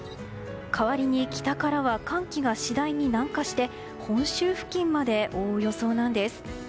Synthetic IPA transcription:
kʰaβaɾʲiɲ̟ikʲi̥t̪akaɾaβakãŋkʲiɡaɕid̪aiɲ̟inãŋkaɕi̥t̪e̞ | hõ̞ɰ̃ɕɨːɸɯ̟̥kʲĩmːad̪e̞ʔo̞ːjo̞so̞ːnãnd̪e̞sɨ̥

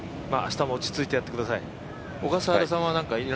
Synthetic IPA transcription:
ma̰ːaɕi̥t̪amo̞ot͡ɕi̥t͡sɨit̪e̞jat̪ːe̞kɯ̟d̪asai | oɡasaaɾas̬ãɰ̃βanãŋkaiɾ

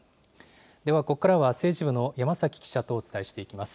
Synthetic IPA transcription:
d̪e̞βako̞kːaɾaβase̞ːʑibɯ̟no̞jamasakʲi̥kʲi̥ɕat̪o̞ːt͡sɨ̥t̪aiɕi̥t̪e̞ikʲimasɨ̥

